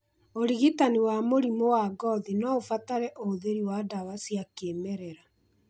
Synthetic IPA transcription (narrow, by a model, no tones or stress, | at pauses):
oɾiɣitaniwamoɾimowaɡɔðinɔofataɾɛʔooðeɾiwadawasiakemɛɾɛɾa